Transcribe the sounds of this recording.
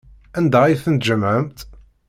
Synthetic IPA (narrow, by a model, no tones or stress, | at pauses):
ænd̪æjθənt̪d͡ʒəməmt̪